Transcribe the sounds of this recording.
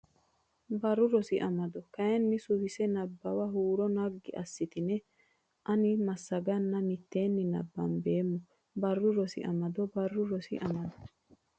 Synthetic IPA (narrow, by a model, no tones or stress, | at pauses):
bɐrːʊɾɔsɪʔɐmɐd̪ɔkɐjɛnːɪsʊhɪsɛnɐbːɐwɐɦuːɾɔnɐɡːɪ̰ʔɐsːɪt̪ɪnɛ | ʔɐnɪmɐsːɐɡɐnːɐmɪt̪ːe̞ːnːɪnɐ̰bːɐ̰nbe̞ːmːʊ | bɐrːʊɾɔsɪ̰ʔɐ̰mɐd̪ɔbɐrːʊɾɔsɪ̰ʔɐmɐd̪ɔ̥